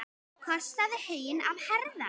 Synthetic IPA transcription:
kʰɔst̪aðɪhejna̰vhɛɾða̰

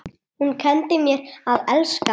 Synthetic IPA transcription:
hunkʰɛnt̪ɪmjɛɾaðɛlska

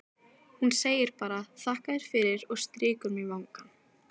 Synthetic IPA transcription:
hunseːjɪɾ̥paːɾaθahkaðɪɾ̥fɪɾɪɾɔɣst̪ɾɪːkʏɾmivawŋkan

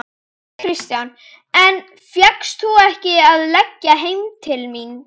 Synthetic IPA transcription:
kʰɾɪst̪jan | ɛn | fjakst̪θuɛhcɪaðlɛcːaɦejmt̪ʰɪlmin

